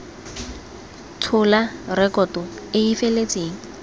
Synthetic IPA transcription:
tʰʊlarɛkʼɔtɔɪifelet͡sʼeːŋ̩

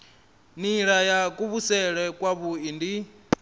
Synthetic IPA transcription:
niɺajakʼuβusɛɺɛkʼwaβuindi

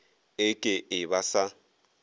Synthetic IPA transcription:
ɪkʼɪʔɪβasa

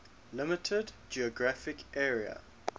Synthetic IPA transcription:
lɪmɪtʰəd | d͡ʒiɔɡɹafɪkʰʔɛːɹiə̰

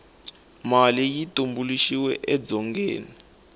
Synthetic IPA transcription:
malijitumbuliʃiwɛʔɛd͡zɔŋɡḛːni

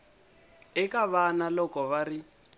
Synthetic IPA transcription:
ɛkaβanalɔkɔβari

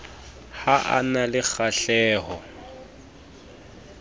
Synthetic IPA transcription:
haʔa̰nalɪk͡xʰaɬɛːhɔ

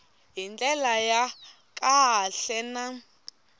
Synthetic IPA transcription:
ɦint͡ɬʼɛlaja | kʼaɦaɬɛna

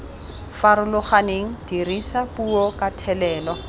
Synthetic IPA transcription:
faɾʊlʊχaneŋ̩d̥irisapuɔkatʰɛlɛːlɔ

